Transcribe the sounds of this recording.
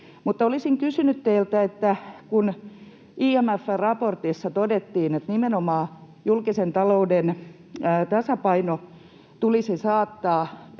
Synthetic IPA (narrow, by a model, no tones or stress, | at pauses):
mut̪ːolisiŋkysynyt̪t̪eilt̪æet̪ːækun | iːæmæfːærɑport̪isːɑt̪odet̪ːiːnet̪nimenomɑː | julkisent̪ɑloudenː | t̪ɑsɑpɑino | t̪ulisisɑːt̪ːɑː